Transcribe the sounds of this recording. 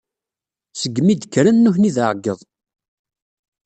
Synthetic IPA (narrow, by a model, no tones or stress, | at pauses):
səɡːmid̪əkːɾænːʊçniðəʕɡəðˤ